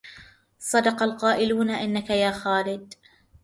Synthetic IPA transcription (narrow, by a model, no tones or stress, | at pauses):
sˤɑd̪ɑqɑlqɑːʔɪluːnaʔɪnːakajaːxaːlɪd̪